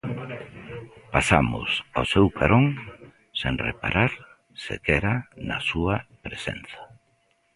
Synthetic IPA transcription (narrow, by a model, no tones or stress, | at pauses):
pasamʊ̰sosewkʰaɾoŋ | seŋrepaɾʔaɾ | sḛkɛɾanɐsuɐpɾesḛnθɐ̥